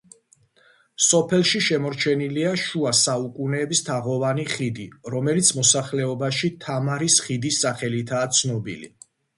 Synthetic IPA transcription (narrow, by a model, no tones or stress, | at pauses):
sɔpʰɛlˠʃiʃɛmɔɾt͡ʃʰɛniliaʃuasaukʼunɛːbist̪ʰaʁɔvaniχid̪iɾɔmɛlit̪sʰmɔsaχlɛɔbaʃit̪ʰamaɾisχid̪isːaχɛlit̪ʰaːt̪sʰnɔbḭlḭ